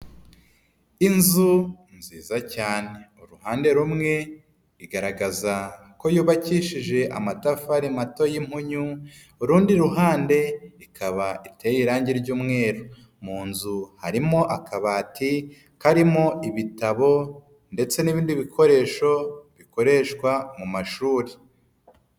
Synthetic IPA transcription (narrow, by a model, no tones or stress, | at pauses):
inzu | nziːzacaːne̞uɾuhaːnde̞ɾumŋe̞ | iɡaɾaɡaza | ko̞juːβaciʃiʒe̞ʔa̰matafaɾimato̞jim̥huɲu | uɾuːndiɾuɦaːnde̞ikʰaβaʔitʰe̞jiɾaːɲɟiɾɟuːmŋe̞ːɾo | muːnzuhaɾimo̞ʔakʰaβaːti | kaɾimo̞iβitaβo̞ | nde̞t͡se̞niβiːndiβikʰo̞ɾe̞ːʃo̞βiko̞ɾe̞ʃkwamumaʃuːɾi